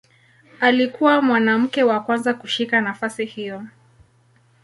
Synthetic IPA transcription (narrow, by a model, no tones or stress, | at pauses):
alikuwamwanam̩kɛwakwanzakuʃikanafasihijɔ